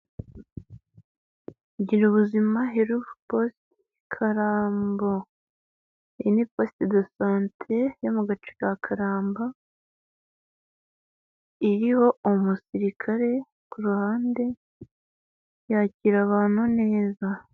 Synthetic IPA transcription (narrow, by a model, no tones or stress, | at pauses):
ɟiɾuβuzimaɦeɾuvuposti | kʰaɾaːmbo | einipo̞stidosaːntʰejomuɡat͡ʃi̥kakʰaɾaːmba | iɾiho̞omusiɾikʰaɾe̞ | kuɾuhaːnde̞ | jaːciɾaβaːn̥hune̞ːza